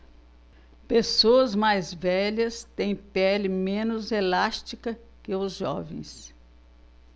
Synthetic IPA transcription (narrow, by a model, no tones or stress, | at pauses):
pesoɐzmajzvɛʎɐst̪ẽj̃pɛlɪmẽnʊzelast͡ʃikɐ | kɪʊzʒɔ̰vḛ̃j̃s